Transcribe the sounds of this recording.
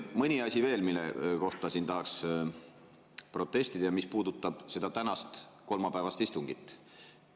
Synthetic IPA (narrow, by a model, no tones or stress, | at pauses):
mɤnʲiɑsʲive̞ːlmilːḛko̞ht̪ɑsiːnt̪ɑɦɑks | pro̞t̪ːˑe̞st̪id̪ɑjɑmispuːd̪̥ut̪ːˑɑb̥se̞d̪̥ɑt̪ænɑst̪ko̞lmɑpæevɑst̪ist̪uŋɡ̥it̪ːˑ